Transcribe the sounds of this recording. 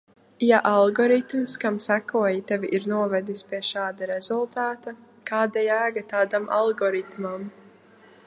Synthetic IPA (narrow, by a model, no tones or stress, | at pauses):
jaʔalˠɡɔɾit̪mskamsækuɔjit̪ɛviʔiɾnuɔvɛd̪ispʲiɛʃaːd̪aɾɛzulˠt̪aːt̪a | kaːd̪ajæːɡat̪aːd̪amʔa̰lˠɡɔɾit̪mam